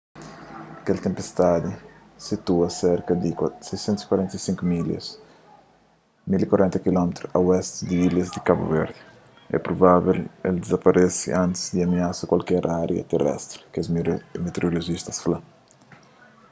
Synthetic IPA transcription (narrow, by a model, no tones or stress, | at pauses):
ɐkelt̪ẽmpest̪ad̪i | sit̪uɐseɾkɐd̪iksejsɛ̃nt̪si̥kwaɾɛ̃nt̪ɐjsĩŋkomiljɐ̰s | milikwaɾʔɛ̃nt̪ɐkilɔmet̪ɾuɐwɛst̪d̪iiljɐzd̪ikabṵvɛɾd̪ɪ | ɛ̰pɾobaβelḛld̪ezɐpɐɾʔesiʔãnt̪ɪ̥zd̪iɐmiasɐkwalkɛɾʔaɾjɐ̰t̪erɛ̰st̪ɾɪ̥kɛsmet̪eɾoloʒist̪ɐsfla